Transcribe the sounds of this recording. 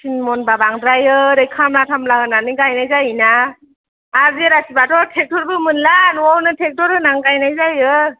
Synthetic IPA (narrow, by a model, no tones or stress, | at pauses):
sinmɔnbabaŋdɾajɯɾejkʰamlatʰamlaɦɯnaniɡajnajzajinaː | ɾzeɾatibatɔtʰek̚tʰɔɾbɯmɯnlanɔwnɯtʰek̚tɔɾɯnaŋɡajnajzajɯ